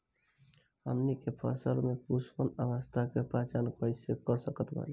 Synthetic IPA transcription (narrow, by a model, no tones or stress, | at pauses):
hə̰mnikepʰə̰səlmepusʰpənəʋəst̪ʰakepɾat͡ʃankəɪsekəɾsəkət̪bʱə̰l